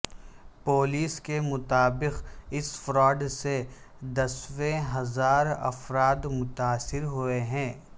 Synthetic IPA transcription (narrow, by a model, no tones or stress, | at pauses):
poːliːskemʊt̪aːbɪqɪsfɾɔːɖse | d̪ɐswẽɦɐzaːɾɐ̰fɾaːd̪mʊt̪aːsɪɾɦueɦɛ̃ː